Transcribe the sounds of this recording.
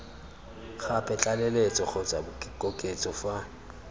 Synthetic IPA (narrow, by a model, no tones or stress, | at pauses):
χapʼɛt͡ɬʼalelet͡sʼɔχɔt͡sʼabʊkɪkʼokʼet͡sʼɔfa